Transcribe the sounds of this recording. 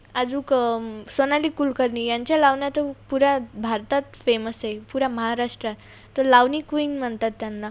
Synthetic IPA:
ad͡zũːksonaliːkulkəɾnijaɲt͡ɕjalaʋnjat̪əpuɾabʱaɾt̪at̪feməsepuɾaməɦaɾaʂʈɾat̪ː | əlaʋnikuinm̤ənt̪at̪ːjanːa

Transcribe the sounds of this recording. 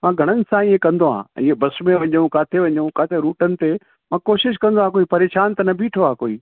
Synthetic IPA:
mãːɡʱɐɽ̃ənɪ̆sãiɦẽkɐ̃nd̪oɦã̰ːɪɦebɐsmẽʋɐ̃ɲũkaːt̪ʰeʋɐ̃ɲũkaːt̪ʰeɾuːʈənɪ̆t̪e | mãːkoːʃɪʃ̬kɐ̃nd̪oãːkoːipɐɾeːʃaːnt̪ɐnɐbʱiːʈʰoãːkoːiː

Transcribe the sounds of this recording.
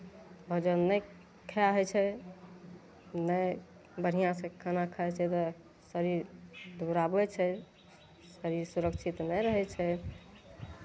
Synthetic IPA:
bʱɔd͡ʒənːɛj | kʰɛaɦɛt͡ʃʰɛ | nɛ | bəɽ̤ijãsẽkʰanakʰət͡ʃʰɛt̪ɔ | səɾiɾd̪ʱuɾabɛt͡ʃʰɛ | səɾiɾsuɾəkt͡ʃʰit̪nɛɾəɦɛt͡ʃʰɛ

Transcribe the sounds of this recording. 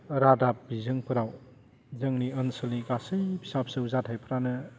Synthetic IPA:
ɾadap̚bizɯŋpʰɯɾaw | zɯŋniɯnsɯlnikasɯjbi̥sap̚sɯwzatʰajpʰɯɾanɯ

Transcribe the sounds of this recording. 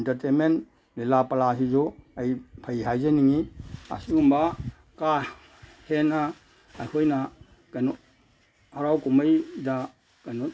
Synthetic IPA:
ntɐɾtenment | lelapalasizɔajpʰajɦajzaniŋia̰siŋumba | ka | henaː | jkʰojna | kajnɔ | haɾawkumɐjda | kajnɔ

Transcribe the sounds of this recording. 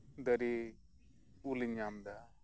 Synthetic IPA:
d̪əɾi | uliɲamd̪a

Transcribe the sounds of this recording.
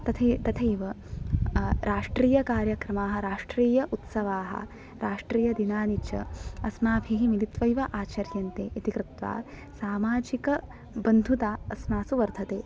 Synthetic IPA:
t̪ɐt̪ʰet̪ɐt̪ʰɐjʋɐ | ɾaːʂʈɾiːjɐkaːɾjɐkɾɐmaːɦɐɾaːʂʈɾiːjɐʔut̪sɐʋaːɦɐ̰ | ɾaːʂʈɾiːjɐd̪inaːnit͡ʃʰɐ̰ɐsmaːbʱiɦimilit̪ʋɐjʋɐʔaːt͡ʃɐɾjɐnt̪eːʔit̪ikɾɪt̪ʋa̰ː | saːmaːd͡ʒikɐ | bɐnd̪ʱut̪aːɐsmaːsuʋɐɾd̪ʱɐt̪eː

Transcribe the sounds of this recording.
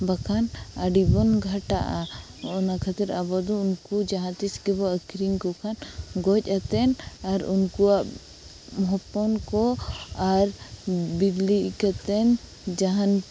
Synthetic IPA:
bakʰanaɖibɔnɡʱaʈaʔa | ɔnakʰat̪ɛɾabɔd̪ɔunkud͡ʒaɦãt̪isɡɛbɔəkʰɾiŋkɔkʰanɡɔc̚ˀat̪ɛnaɾunkuwaʔ | mɔɦɔpːɔnkɔaɾbiliʔkat̪ɛn | d͡ʒaɦan

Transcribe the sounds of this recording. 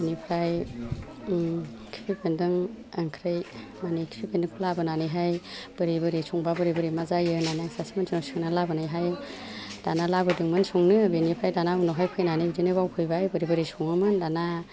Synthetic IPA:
benipʰɾaj | kʰi̥pʰipʰendɯŋ | aŋkʰɾaj | manikʰi̥pʰipʰendɯŋkʰulabɯnanɯjɦajb̥ɯɾibɯɾisʰuŋbabɯɾibɯɾimazajɯnanijaŋsasimansʰinɔsɯŋnalabɯnajɦaj | d̥analabɯdɯŋmɯnsuŋnɯbenipʰɾajdanabunɔɦajpʰɯjnanɯbidinɯbawkʰɯjbajbɯɾibɯɾisuŋɯmɯndana

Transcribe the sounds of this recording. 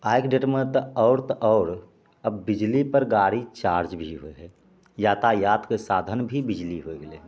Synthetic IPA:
aːjkɖeʈmẽt̪ɔːɾt̪ʔɔːɾ | əbːɪd͡ʒlipəɾɡaːɽit͡ʃaːɾd͡ʒbʱiɦoeɦɛ | jaːt̪ajaːt̪kesaːd̪ʱənbʱibɪd͡ʒliɦoeɡəle

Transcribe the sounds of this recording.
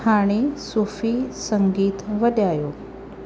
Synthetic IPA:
aɽ̃isufiːsəŋɡiːt̪ʋəd̪jajo

